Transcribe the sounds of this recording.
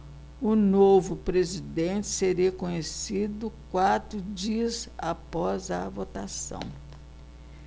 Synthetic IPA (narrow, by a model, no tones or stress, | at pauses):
ʊnovʊpɾezid̪ẽt͡ʃɪ̥seɾiɐkõɲesid̪ʊkwat̪ɾʊd͡ʒiɐzapɔzɐvot̪asɐ̰̃w̃